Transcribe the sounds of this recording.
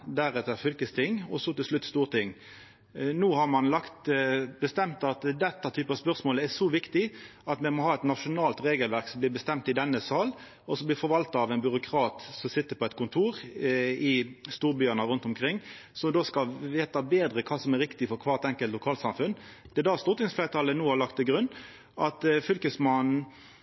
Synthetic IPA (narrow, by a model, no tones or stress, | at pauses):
d̪æɾɛt̪əɾfʏlkəst̪ʰɪŋɔsɔt̪ɪlʂlʉt̪ːst̪uːʁt̪ʰɪŋː | nuːhɑʁmɑnlɑkt̪bəst̪ɛmt̪ɑt̪d̪ɛt̪ːɑt̪ʰyːpəɑspœʁsmoːləæʂɔʋɪkt̪ɪɑt̪mɛmɔhɑːɛt̪nɑʂʊnɑːlt̪ɾeːɡəlʋæɾksɔmblɪːbəst̪ɛmt̪ɪd̪ɛnːəsɑːl | ɔsɔblɪɾfɔɾʋɑlt̪ɑɑʋɛnbʏɾʊkʰɾɑːt̪sɔmsɪt̪ːəɾpʰɔɛt̪̚kʰʊnt̪ʰuːɾɪst̪uːɾbyːɑnəʁʉnt̪ʊmkʰɾɪŋː | sɔmd̪oːskɑlʋeːt̪ɑbeːd̪ɾəkʰɑːsɔmæɾɪkt̪ɪfɔɾkʰʋɑːʁt̪ɛŋkəlt̪lʊkʰɑːlsɑmfʉn | d̪̥ɛɛd̪ɑst̪ʊʁt̪ɪŋsflɛːt̪ʰɑːlənuːhɑlɑkt̪ʰːɪlɡɾʉnː | ʔɑt̪fʏlkəsmɑnn̩